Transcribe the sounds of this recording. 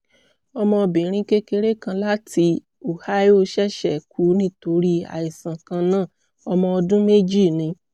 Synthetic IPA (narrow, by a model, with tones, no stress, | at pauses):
ɔ˧mɔ̃˧bĩ˨ɾ̃ĩ˧˦ke˦ke˧ɾe˦kã˧la˦ti˧ | o˨ha˦jo˦ʃɛ˦˨ʃɛ˨kʰu˨˦nĩ˦to˧ɾi˦a̰˨i˨sã˨kã˧nãː˦˨ | ɔ˧mɔ̃˧ɔ˧dũ˦me˦d͡ʒi˦˨nĩ˧˦